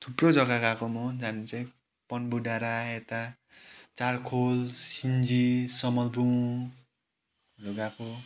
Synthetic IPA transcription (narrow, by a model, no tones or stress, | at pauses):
t̪ʰuprod͡zʌɡakakomud͡zanit͡saĩ | pʌnbuɖaɾaet̪a | t͡sarkʰolsind͡zisʌmʌlbu | roɡapʰo